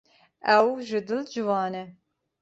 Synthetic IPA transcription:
ɛwʒɨd̪ɨld͡ʒɨwɑːnɛ

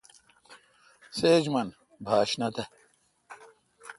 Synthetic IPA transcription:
seːd͡ʑmɐn | bʱaːɕnɐt̪ɐ

